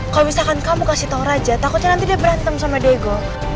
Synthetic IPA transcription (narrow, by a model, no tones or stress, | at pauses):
kalumisalkankamukasit̪auɾad͡ʒat̪akʊt̪̚ɲanant̪̬idiabəɾant̪aŋsamadeɡo